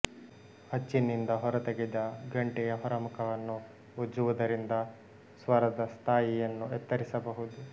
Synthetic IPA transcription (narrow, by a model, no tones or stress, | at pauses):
hɐt͡ʃːinind̪ɐɦɔɾɐt̪eɡɛd̪ɐɡɐɳʈɛjɐɦɔɾɐmukɐʋɐnːu | ud͡ʒuʋud̪ɐɾind̪ɐ | sʋɐɾɐd̪ɐst̪ʰaːjijɐnːuɛt̪ːɐɾisɐbɐɦud̪u